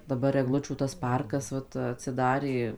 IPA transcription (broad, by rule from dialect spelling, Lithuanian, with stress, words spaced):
dɐˈbɐr ɛɡˈlˠʊt͡ʃʲuː tɐs ˈpɐrkɐs ˈʋɐt ɐtʲsʲɪˈdɑːrʲeː